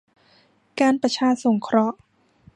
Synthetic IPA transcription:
kaː˧npɾa˧t͡ɕʰaː˧so˩˦ŋkʰɾɔ˦˥ʔ

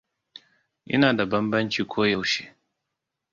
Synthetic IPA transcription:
ʔɪ̰˦naː˨da˨bɐ˦mbɐ˦nt͡ʃiː˨kʷoː˦jɐ˦wʃeː˦˨

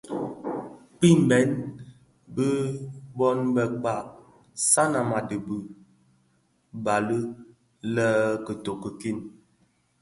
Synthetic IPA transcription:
k͡pi˦m˨bɛ˨˦n | bə˦bɔ˦nbɛ˨k͡pa˦˨k̚ | sa˦na˨ma˨də˨bu˨ | ba˨lə˦ | lɛ˦kə˨to˨kə˨ki˦˨n

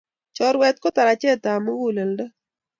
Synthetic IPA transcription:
t͡ʃɔ˦ɾwɛ˦t̪̚ko˦t̪a˨ɾa˨t͡ʃɛ˦t̪a˨mo˦wu˦le˨lda˦

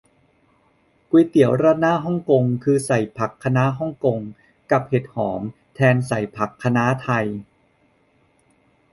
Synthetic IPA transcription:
kwu˧t̪i˨˩˦əwɾa˧˥naː˥˨ɦɔ˥˩ŋko˧ŋkʰɯː˧sa˨˩jpʰa˨˩kʰːa˧na˦˥ɦɔ˥˩ŋko˧ŋ | ka˨˩p̚he˨˩t̪̚hɔː˩˦m | t̪ʰɛː˧nsa˨˩jpʰa˨˩kʰːa˧na˦˥t̪ʰa˧j

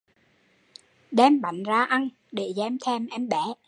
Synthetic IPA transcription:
ɗɛ˧mɓa̰˨˧˨jŋ̟zaː˧ʔa˧n | ɗe˧˨˩zɛ˨˦mt̪ʰɛ˧mʔɛ˧mɓɛ˧˩˦

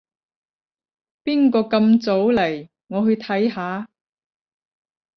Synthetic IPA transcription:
piː˥nkɔː˧kɐ˧mt͡so˨˥wlɐ˨˩j | ŋɔː˨˧hɵ˧ɥt̪ʰɐ˨˥jɦaː˨˧˥

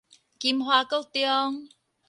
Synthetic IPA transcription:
ki˧˩mɦwaː˧ko˥wt̪i˧ɔ˦˧ŋ

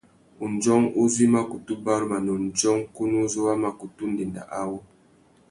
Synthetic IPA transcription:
u˨n˨d͡ʒɔ˦ŋu˦zi˦ma˦ku˨tu˦ba˦ɾma˨nɔ˨n̩˨d͡ʒɔ˦ŋku˦nu˦zu˦wa˦ma˨ku˨tu˦n̩˦de˨nda̰˨ʔa˦wo˦

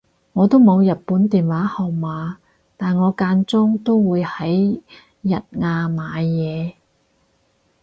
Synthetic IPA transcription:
ŋɔː˨˧t̪o˥wmo˨˧wjɐ˨t̚puː˨˥nt̪iː˨nwaː˨˥hɔː˨˩wmaː˨˧ | t̪aː˨nŋɔː˨˧kaː˧nt͡sʊ˥ŋt̪o˥wwuː˨˧jhɐ˨˥j | jɐ˨t̚ŋaː˧maː˨˧jjɛː˨˧

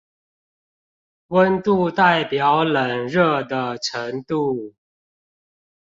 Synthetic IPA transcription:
wə˦nt̪u˥˨t̪a˥˨ɪpjɑ˨˦ʊlə˨˩nɻə˥˧d̪ə˨ʈ͡ʂʰə˨˦ŋt̪u˥˨

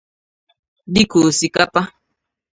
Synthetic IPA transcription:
di˦ko˨si˨ka˦pa˦

